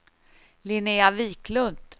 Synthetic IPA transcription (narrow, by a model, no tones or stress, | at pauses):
lɪneaviːklɵnd̪̥